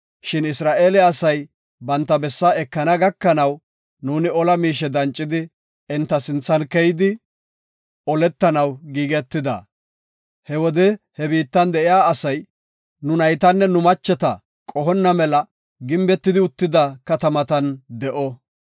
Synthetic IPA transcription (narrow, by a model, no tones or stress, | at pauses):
ʃɪnɪsɾaːʔeːlɛɐsɐj | bɐnt̪ːɐbɛsːaɛkːɐnɐɡɐkːɐnɐw | nuːnɪɔlɐmiːʃ̬ɛd̪ɐnt͡ʃʼːɪd̪ɪ | ɛnt̪ːɐsɪnt͡sːɐnkɛjɪd̪ɪ | ɔlɛt̪ːɐnɐwɡiːɡɛt̪ːɪd̪ɐ̰ | hɛwɔd̪ɛhɛbiːt̪ːɐnd̪ɛʔɪjaːsɐj | nʊnɐjt̪ɐnːɛnʊmɐt͡ʃːɛt̪ɐ | kʼɔɦɔnːɐmɛlɐ | ɡɪmbɛt̪ːɪd̪ɪʊt̪ːɪd̪ɐkɐt̪ɐmɐt̪ɐnd̪ɛʔɔ